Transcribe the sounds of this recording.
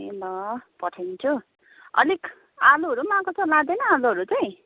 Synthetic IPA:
nʌpʌʈʰent͡sʰu | ʌ̰lik | aluɦʌɾumãkot͡sʰʌlad̪enʌaluɦʌɾut͡sʌj̃

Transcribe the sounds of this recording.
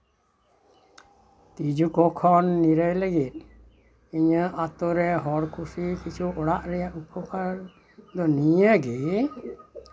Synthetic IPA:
t̪id͡ʒukɔkʰɔnːiɾəjləɡit̪̚ˀ | iɲəʔat̪oɾɛɦɔɾkʰusikit͡ʃʰuʔɔɽaʔɾɛjaʔupʰɔkʰaɾ | d̪ɔnijaɡi

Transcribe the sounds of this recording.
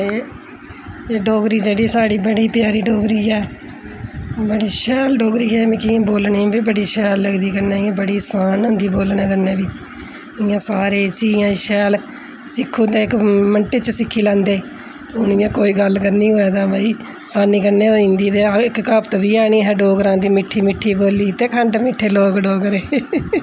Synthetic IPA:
e | ɖoːɡɾiːd͡ʒeːɽiːsaːɽiːbəɽiːpɪjaːɾiːɖoːɡɾiːɛː | bəɽiːʃɛːlɖoːɡɾiːɛːmɪ̃kɪãːboːlnẽbiːbəɽiːʃɛːlːəɡd̪iːkəɾnẽːɪãːbəɽiːsaːnʊnd̪iːboːlnẽːkəɾnẽːbiː | ɪjãːsaːɾeːsiːɪjãːʃɛːl | sɪkʰːũːd̪eːɪkməɳʈeːt͡ʃəsɪkʰːiːlãːnd̪eː | ʊnɪjãːkoːiːɡəlkəɾnĩːɦoːɛːd̪aːbəiː | saːniːkəɾneːoːĩːnd̪iːd̪eːɪkkəpt̪ʋiːaːniːɦɛːɖoːɡɾãːd̪iːmɪʈʰːiːmɪʈʰːiːboːliːt̪eːkʰəɳɖmɪʈʰːeːloːkɖoːɡɾeː

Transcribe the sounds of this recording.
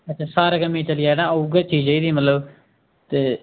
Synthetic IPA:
ətːt͡ʃʰãːsaːɾaːkəmẽːt͡ʃəlijaːnãːouɡat͡ʃiːd͡ʒeiːd̪iːmət̪ləb | t̪eː

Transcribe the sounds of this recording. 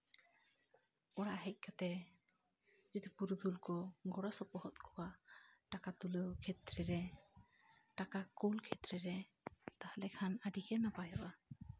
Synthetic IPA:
ɔɽaʔɦɛc̚ˀkat̪ɛ | d͡ʒɔd̪ipuɾud̪ʱulkɔɡɔɽasɔpɔɦɔt̪̚kʰɔwaʈakat̪uləkʰɛt̪ɾɛɾɛ | ʈakakulkʰɛt̪ɾɛɾɛ | t̪ahalɛkʰanaɖikɛnapajaʔa

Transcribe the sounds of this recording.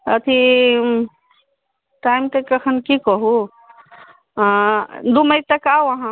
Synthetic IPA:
ət̪ʰi | ʈaimt̪ekəkʰənkikɔɦu | d̪uməit̪əkawɐɦã

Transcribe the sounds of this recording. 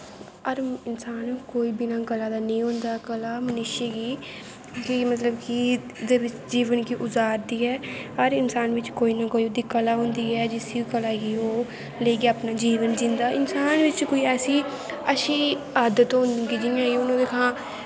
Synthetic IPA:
əɾɪnsaːnkoːiːbinãːɡəlaːd̪aːnĩːɦʊ̃ːnd̪aːkəlaːmənɪʃeːɡiː | kimət̪ləbkid̪eːʋɪt͡ʃd͡ʒiːʋənkiːʔʊzaːɾd̪iːɦɛːəɾɪnsaːnʋɪt͡ʃkoːiːnaːkoːiːʊd̪iːkəlaːɦʊ̃ːnd̪iːɛːd͡ʒɪsikəlaːkiːoː | leiːɡeaːpnaːd͡ʒiːʋənd͡ʒɪ̃nd̪aːʔɪnsaːnʋɪt͡ʃkoːiːɛːsiː | əʃiː | aːd̪ət̪ɦõːnd̪əɡid͡ʒɪjãːɡiːʊnãːd̪eːkʰãː

